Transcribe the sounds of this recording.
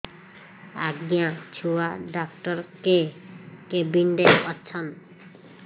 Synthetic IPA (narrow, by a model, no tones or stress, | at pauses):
aɡjãt͡ɕʰuwaɖak̚ʈɔɾkekebinɖeɔtːɕʰan